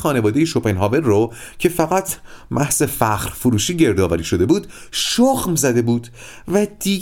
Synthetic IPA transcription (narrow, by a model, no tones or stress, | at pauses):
xɒːne̞vɒːd̪ejeʃopʰenɦɒːvelrocʰe̞fæɣæt̪ʰmʔæhze̞fæχɾfoɾuːʃiːɟe̞ɾd̪ɒːvæɾiːʃo̞d̪e̞buːd̪̥ʃoxmzæd̪e̞buːd̪̥ | væd̪iː